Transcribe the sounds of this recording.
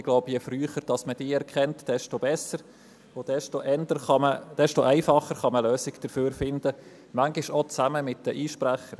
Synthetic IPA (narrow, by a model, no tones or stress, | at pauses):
ɪɡ̥loʊbjɛfryːχəɾd̥ɑsməd̥ɪːɛɾkʰɛntd̥ɛʃtobɛsəɾ | od̥ɛʃtoʔɛndəɾɑməd̥ɛʃtoʔɛɪfɑχəɾχɑməløːsɪɡd̥əɾføːɾfɪnd̥̪ə | mæŋɡɪʃɔt͡sæməmɪt̚d̥əʔiːʃpɾæχəɾ